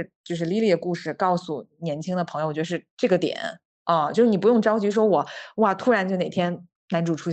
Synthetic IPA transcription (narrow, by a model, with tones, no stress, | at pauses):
ɻ̩˥˧t͡ɕjo˥˧ʊʂ̬ɻ̩˥˧li˥˧lji˥˩d̪ə˩ku˥˧ʂɻ̩˥˩kɑ˥˩ʊsu˨˩njɛ˧˥nt͡ɕʰi˥ŋd̪ə˩pʰŋjo˧˨ɔ˨t͡ɕɥɛ˧˥˧ʂɻʈ͡ʂɤ˥˩ɡə˩t̪jɛ̰˨˩˦n | ɐ˧jo˥˧ʂɻ̩˥˩ni˨˩p̬u˧˥jʊ˥˩ŋʈ͡ʂɑ˥ʊt͡ɕy˧˥ʂ̬wɔ˥wɔ˨˩˦wa˥˩t̪ʰu˥ɻa˧˥nt͡ɕjʊne˨˩ɪt̪ʰjɛ˥n | na˧˥nʈ͡ʂu˨˩ʈ͡ʂʰu˥